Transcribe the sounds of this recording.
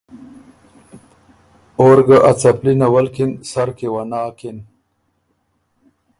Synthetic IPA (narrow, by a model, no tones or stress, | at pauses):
oɾɡaʔat͡saplinawalkinsaɾkewanaːkin